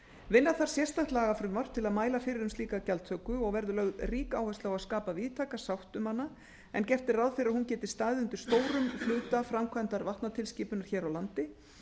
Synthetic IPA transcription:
vɪnːaθaɾ̥sjɛst̪aht̪laːɣafɾʏmar̥t̪ʰːɪlaðmaːjlafɪɾɪɾʏmst̪iːkacalt̪ʰœkʏɔɣvɛɾðʏlœɣðriːkaːwhɛst̪aɣaðskaːpaviːt̪ʰaːkasawht̪ʏmhanːa | ɛ̰ncɛft̪ɪraðfɪɾɪɾaðhuncɛːt̪ɪ̥st̪aːðʏnt̪ʏɾ̥st̪oːwɾʏmflʏːt̪afɾamkʰvant̪aɾvaht̪nat̪ʰɪlsciːpʏnaɾ̥çɛːɾawlant̪ɪ

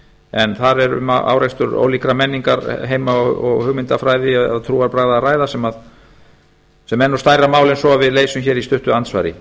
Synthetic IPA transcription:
ɛnθaɾɛɾʏ̰ma̰a̰wɾajst̪ʏɾo̰ːwlikɾamɛnːiŋkaɾɦeːjmaɔɔ̰ɣhʏɣmɪnt̪afɾaːjðɪaðt̪ʰɾuːaɾpɾajɣðaːraːjðasɛmað | sɛmɛnːɔst̪aːjɾamaːwlɪnsɔavɪðleːjsʏmçɛːɾist̪ʏht̪ʏant̪sva̰jɾɪ̰

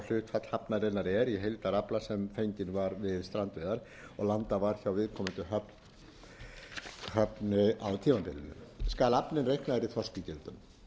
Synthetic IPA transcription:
l̥ʏt̪fʰat̪l̥hapnaðɾejnaɾɛɾjɛɦejlt̪aɾaplasɛmfejɲcɪnvaɾvɪðst̪ɾant̪vejðaɾ̥ | ɔɣlant̪avaɾ̥çawvɪðkʰɔːmɪnt̪ʏɦœp | hœpnɪawt̪ʰiːvampɪlɪ̰nʏ̰mskaːlapnɪnrejhknaðɾiθɔscɪcɛlt̪ʏm

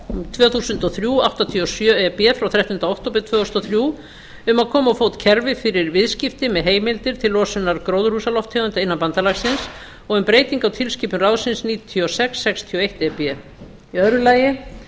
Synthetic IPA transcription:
t̪ʰvɛːθuːsʏnt̪ɔθɾjuːawht̪at̪ʰiɔsjœːɛpɛfɾawθɾaht̪ʏnaowht̪owp̬ɪt̪ʰvœːost̪ɔθɾju | ʏmaðkʰɔːmawfoːwt̪cʰɛɾvɪfɪɾɪɾvɪðscɪft̪ɪmɛðɦeːjmɪlt̪ɪɾ̥t̪ʰɪlːɔːsʏnːaɾkɾowðr̥usalɔft̪ʰːɛːɣʏnt̪aɪnːanpant̪alaɣsɪns | ɔɣɛnpɾeːjt̪iŋkawt̪ʰɪlscipʏnrawsɪnsniːt̪ʰiɔsɛksːɛkst̪ʰiɔejht̪ɛpɛ | iœðɾʏlaːjɪ

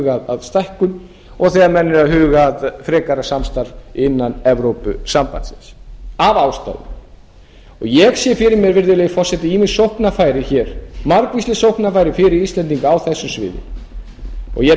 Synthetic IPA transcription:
ɣaðaðst̪ajhkʏn | ɔɣθɛːɣaɾmɛnːʏɾaðɦʏːɣaðfɾɛːkaɾasamst̪aɾvɪnːanɛvɾowpʏ̰sampa̰nt̪sɪ̰nsavawst̪a̰ːðʏ̰ | ɔɣjɛɣsjɛfɪɾɪɾmjɛɾvɪɾðɪlɛːɣfɔr̥sɛt̪ɪimɪsowhknafaːjɾɪçɛɾ̥maɾkvislɪsowhknafaːjɾɪfɪɾɪɾist̪lɛnt̪̬iŋkaawθɛsːʏmsvɪ̰ːðɪ̰ | ɔ̰ɣjɛ

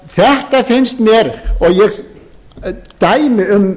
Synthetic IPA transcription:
θɛht̪afɪnst̪mjɛɾɔɣjɛɣ | t̪aːjmɪʏm

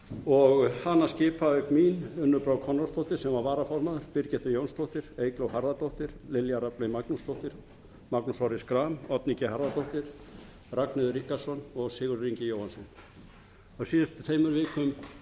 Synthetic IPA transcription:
ɔɣhanːascɪːpaʏkmiːnʏnːʏpɾaːwkʰɔnɔɾst̪oht̪ɪɾ̥sɛmvaɾvaːɾafɔɾmaðʏɾ̥pɪɾcɛht̪ʏɾjownst̪owht̪ɪɾ̥eːjklowɦaɾðat̪owht̪ɪɾ̥lɪljaɾaplejmaknust̪ʰowht̪ɪɾ̥ | maknusɔɾɪskɾaːmɔt̪nicɪhaɾðat̪owht̪ɪɾ̥ | raknɪðʏɾihkasɔnɔɣsɪːɣʏɾriɲcɪjowhansɔn | ɔɣsiːðɪst̪ɪθeːjmʏɾvɪːkʏm

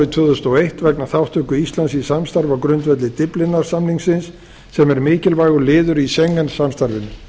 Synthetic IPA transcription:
it̪ʰvʏːðʏst̪ɔwejht̪vɛknaθawht̪ʰʏkʏist̪lansisamst̪aɾvakɾʏnt̪vɛt̪lɪt̪ɪplɪnːaɾ̥samniŋksɪnsː | ɛmɛɾmɪːcɪlvaːjɣʏlɪːðʏɾisɛŋːansamst̪aɾvɪnʏ

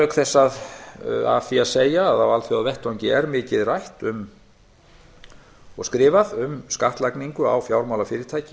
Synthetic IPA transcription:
œkθɛsːað | a̰fiaðseːjaːðawalθjaðvɛht̪awɲcɪɛɾmɪːcɪðrajht̪ʏm | ɔɣskɾɪːvaðʏmskaht̪lajkniŋkʏa̰wfjaːwɾmawlafɪːɾɪɾt̪ʰaːjcɪ

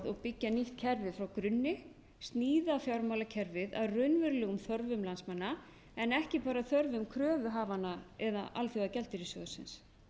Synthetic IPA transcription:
ðɔɣpɪcːaniht̪cʰɛɾvɪðfɾawkɾʏnːɪ | st̪niːðafjawɾmawlacʰɛɾvɪða̰ðrʏnvʏɾlɛːɣʏmθœɾvʏmlansmanːa | ɛnɛhcɪpaːɾaθœɾvʏmkʰɾœːvʏɦaːvanaɛðaʔa̰lθjowɣacɛlt̪ɪɾisɔ̰ɣʏsɪ̰ns

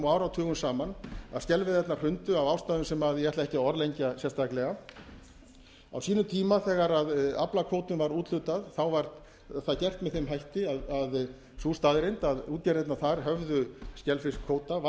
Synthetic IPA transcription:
mɔaːwɾawt̪ʰʏːɣʏmsaːmana̰scɛlvɪðɛt̪nar̥hʏnt̪ʏavaːwst̪aːðʏmsɛmaðjɛht̪laɛhcɪɔɾlejɲcasjɛst̪ʰaklɛɣa | a̰wsiːnʏmt̪ʰiːmaθɛːɣaɾaðaplakʰoːwt̪ʏnvaɾuːt̪lʏt̪aðθawvaɾt̪ | θaðcɛr̥t̪mɛðθejmɦajht̪ɪaðað | suːst̪aðɾɪnt̪aðuːt̪jaɾɛt̪naθaɾ̥ɦœvðʏscɛlfɪskʰoːwt̪a

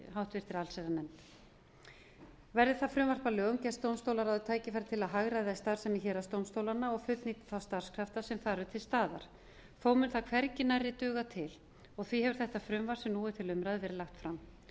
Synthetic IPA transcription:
ɦawht̪vɪr̥t̪ɪɾalsɛɾanɛmt̪ | vɛɾðɪθaðfɾʏmvar̥palʏŋcɛst̪ownst̪owlaɾaðʏt̪ʰaːjcɪfajɾat̪ʰɪlaðɦaɣɾaðɪθajst̪aɾ̥sɛmɪçɛːɾast̪ownst̪owlanːaɔɣfʏt̪niːt̪ɪ̥θawst̪ar̥skʰɾ̥aft̪asɛmθaɾʏt̪ʰɪlst̪aːða̰ɾ̥ | θoːwmʏnθakʰvɛɾcɪnaɾɪt̪ʏːɣat̪ʰɪl | ɔɣθvihɛvʏɾ̥θɛht̪afɾʏmvar̥sɛmnuːɪt̪ʰɪlʏmɾajðɪvɛːɾɪlaxt̪fɾam

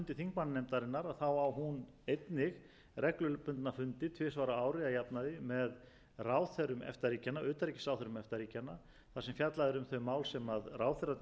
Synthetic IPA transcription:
nt̪ɪθiŋk̚mannɛmt̪aɾɪnːaɾaðθawawɦun | ejt̪nɪɣ | rʔɛklʏlʏpʏnt̪nafʏnt̪ɪt̪ʰvɪːsvaɾaaːwɾɪðajapnaðɪmɛð | raːwθɛɾʏmɛ̰ft̪aɾiːcanːaʏːt̪aɾicɪsawθɛɾʏmɛft̪aɾiːcanːa | θasɛmfjat̪laðɪɾʏmθœɥmaːwlsɛmaðraːwθɛɾa

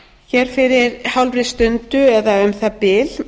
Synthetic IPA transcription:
çɛɾ̥fɪɾɪɾhawlvɾɪst̪ʏnt̪ʏɛðaœmθapɪl

